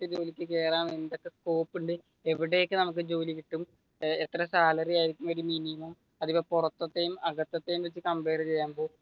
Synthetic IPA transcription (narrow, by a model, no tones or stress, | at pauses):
tːed͡ʑo̞ːlikʲːɨke̞ːraːmend̪o̞kːe̞sko̞ːpːuɳɖɨ | eʋiɽe̞ːkːɨnɐmuk̬ːɨd͡ʑo̞ːliʋiʈːum | et̪ːrɐsaːlɐrijaːjiɾikʲːumʋɐɾuminijmɐm | ɐðipːɐpurɐt̪ːɐt̪ːejumɐɣɐt̪ːɐt̪ːejumʋet͡ɕːɨkɐmbe̞ːɾɐt͡ɕe̞jːaːmbo̞ː